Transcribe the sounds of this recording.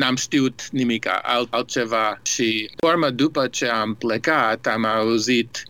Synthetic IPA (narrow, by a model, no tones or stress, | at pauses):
namst̪iut̪nimika̰ʔa̰lal̚ˠt͡ʃevaʃifoɾməd̪upət͡ʃeamplekat̪amawzit̪